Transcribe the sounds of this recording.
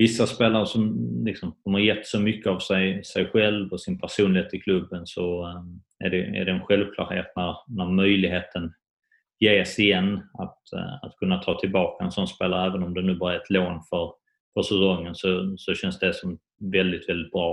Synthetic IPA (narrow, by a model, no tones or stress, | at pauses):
vɪsːaspeːlaɾəʂɔmlɪksɔmdɔmhaɾjɛt̪ːsɔmʏkːəavsɛjsɛjɧɛlvɔsɪnpʰæʂuːnlɪheːt̪ɪkʰlɵbːənsɔ | æɖɛæ̰ɖɛːnɧɛlvkʰlɑ̰ːɾhḛːt̪̚næɾnæɾmœjlɪɡɦeːt̪ʰən | jeːsɪjɛnːat̪a̰t̪kʰɵnːat̪ʰɑːt̪ʰɪlbɑːkaɛnsɔnspeːlaɾəæːvənɔmd̪ɛnʉ̟ːbɑːɾajɛt̪ʰloːnfœɾ | fœɾsɛsɔŋːənsɔsɔɕɛnsd̪ɛsɔm | vɛld̪ɪt̪vɛld̪ɪt̪̚bɾɑː